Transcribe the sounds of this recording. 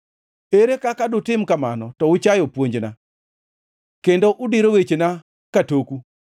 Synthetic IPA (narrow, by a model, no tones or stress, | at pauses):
eɾekakadʊtɪmkamanɔtɔʊt͡ʃajɔpwoɲd͡ʒna | kendoʔʊdiɾowet͡ʃena | katoku